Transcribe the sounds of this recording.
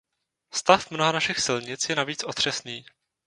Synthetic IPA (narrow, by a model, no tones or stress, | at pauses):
st̪afmnoɦanaʃɪxsɪlɲɪt͡sjɛnaviːt͡sʔo̞t̪r̝̥ɛsniː